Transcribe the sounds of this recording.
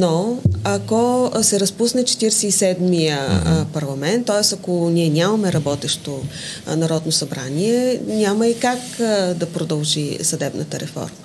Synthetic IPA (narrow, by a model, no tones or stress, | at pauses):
noakɔsɛɾɐspusnɛt͡ʃɛ̥t̪iɾɛsɛisɛd̪mijəpɐɾlˠɐmɛnt̪ːɔɛsɐkonʲiɛnʲamɐmɛɾɐbɔt̪ɛʃt̪o | nɐɾɔd̪nosɐbɾa̰niɛnʲaməikakd̪ɐpɾod̪ɐlˠʒisɐd̪ɛbnət̪əɾɛfɔ̰ɾmə